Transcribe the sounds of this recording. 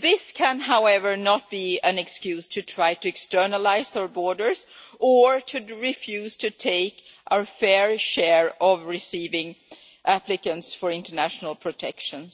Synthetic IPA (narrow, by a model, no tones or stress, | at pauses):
ðɪskʰæ̃nɦaʊɛvə˞nət̚b̥iæ̃nɛkskjʉːz̥tʰɨtʰɹ̥aɪtɨɛkstɜ˞nəlaɪzəəbɔɹdə˞zəɹtʰɨɹɪfjʉːz̥tʰɨtʰeɪk | ʔaʊəɹfɛɹʃɛɹɔvɹɪsiːvɪ̃ŋ | ʔæplɪkə̃ntsfɔɹɪ̃ntə˞næʃnəl̩ˠpʰɹ̥ɔtʰɛkʃə̃ns